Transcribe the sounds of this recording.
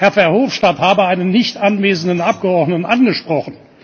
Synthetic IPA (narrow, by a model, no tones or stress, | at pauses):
hɛɐfɛɐhoːfʃtathaːbəaɪnənːɪçtʔanveːzn̩dən̩ʔap̚ɡ̥əɔɐdnətn̩ʔanɡəʃpʁ̥ɔχn̩